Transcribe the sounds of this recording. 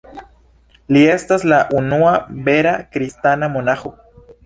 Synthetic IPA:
liest̪aslaʔunuabeɾakɾist̪anamonaxu

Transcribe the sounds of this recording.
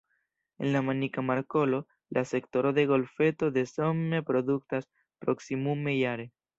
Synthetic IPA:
ḛnlamanikamaɾkolo | lʔasekt̪oɾoðeɣo̞lfet̪oðesomepɾoðuk̚t̪as | pɾoksimumejaɾe

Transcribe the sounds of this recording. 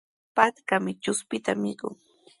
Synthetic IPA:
pat̪kamɪt͡ʃʊspɪt̪amɪkʊ̰ŋ

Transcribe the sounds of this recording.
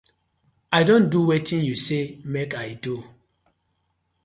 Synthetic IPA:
ajdõnduwetʰĩnjusemekajdu

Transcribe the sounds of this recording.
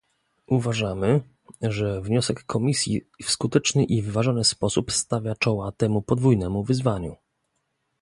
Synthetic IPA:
ʔuvaʐamɘ | ʐɛvɲɔsɛkːɔmʲisʲjḭfskut̪ɛt͡ʂnɘʔivɘvaʐɔnɘspɔsupst̪avʲjat͡ʂɔwat̪ɛmupɔd̪vujnɛmuvɘzvaɲu

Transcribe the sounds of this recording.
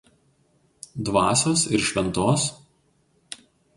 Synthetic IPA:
d̪ʋɑːsʲoːsɪɾʃʲʋʲɛnt̪oːs

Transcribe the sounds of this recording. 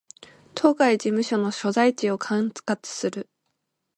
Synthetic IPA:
t̪ʰo̞ːɡaid͡ʑimɯ̟ɕo̞no̞ɕo̞zait͡ɕio̞kʰãŋt͡skat͡sɨ̥sɨɾɯ̟

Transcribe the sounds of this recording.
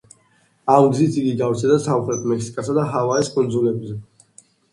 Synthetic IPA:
amɡzit̪siɡiɡavt̪ʰɛd̪asauχʰlɛt̪ʰmɛksi̥kʼasad̪aɦavaɛskʼund̪zulɛbzɛ

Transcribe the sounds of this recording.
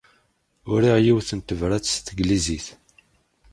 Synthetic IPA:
ʊɾiʁjiwθənt̪əvɾæt͡sːst̪ɡliziθ

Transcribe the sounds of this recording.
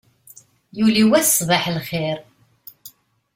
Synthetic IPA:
juliwæθsˤvəħlχɪɾ

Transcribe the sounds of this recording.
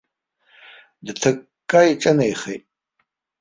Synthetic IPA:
dtʰɨk | kʼːaiʈ͡ʂʼɐnejχḛjtʼ

